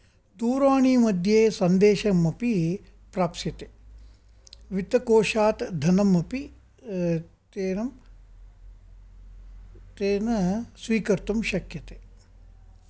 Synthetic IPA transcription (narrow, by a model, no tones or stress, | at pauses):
d̪uːɾaːɳimɐd̪ʱjeːsɐnd̪eːʃɐmɐpi | pɾaːpsjɐt̪e | ʋit̪ɐkoːʃaːt̪d̪ʱɐnɐmːɐpi | t̪eːnɐm | t̪eːnɐsʋiːkɐɾt̪umʃɐkjɐt̪e